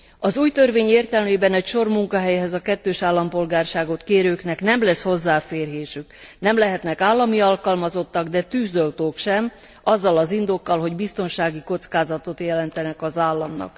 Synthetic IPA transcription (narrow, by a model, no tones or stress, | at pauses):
ɒzuːjt̪ørveːɲeːrt̪ɛlmeːbɛnɛcʃo̞rmuŋkɒɦɛjɛɦɛzɒkɛt̪ːøːʃaːlːɒmpo̞lɡaːrʃaːɡo̞t̪keːɾøːknɛknɛmlɛsho̞zːaːfeːrɦeːʃyknɛmlɛɦɛt̪nɛkaːlːɒmiɒlkɒlmɒzo̞t̪ːɒɡd̪ɛt̪yːzd̪ølt̪oːkʃɛm | ɒzːɒlɒzind̪okːɒlɦo̞ɟbist̪o̞nʃaːɡiko̞t̪skaːzɒt̪o̞t̪jɛlɛnt̪ɛnɛkɒzaːlːɒmnɒ̰k